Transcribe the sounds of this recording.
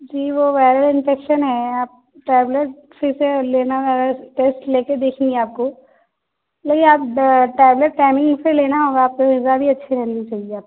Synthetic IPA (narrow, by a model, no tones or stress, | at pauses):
d͡ʒiːʋoʋɛːɾəɾɪ̃nfeːkʃənɦɛaːp̚ | ʈɛːbleʈ̚ | seseleːnazaːɾaʈeːsʈleːked̪eːkʰẽːŋɡeaːp̚ko | leːkɪ̃naːpʈɾɛːbleʈːaːɪmɪ̃ŋɡpeleːnaɦoːɡaaːp̚koɪzabʱiɐtːʃʰiɾɛɦnit͡ʃaːɦieaːp̚